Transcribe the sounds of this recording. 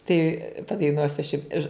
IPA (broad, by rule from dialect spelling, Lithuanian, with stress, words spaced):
tɐɪ pɐdɐɪˈnuɔsʲʊ ɐʃ jʊm ɪʃ